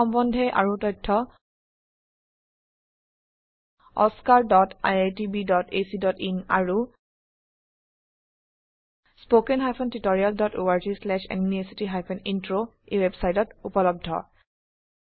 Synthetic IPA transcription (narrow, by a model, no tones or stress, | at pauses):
ɔmbɔndʱɛʔa̰ɹutɔjtʰːɔ | ɔ̰skaɹdɔta̰jatibidɔtesidɔtina̰ɹu | spokɛnɦajpʰɔntitɔɹialdɔtoaɹd͡ʒislɛʃɛ̰njuniesitiɦajpʰɔnintɹo | ewebsajtɔtupɔlɔb̚dʱɔ̰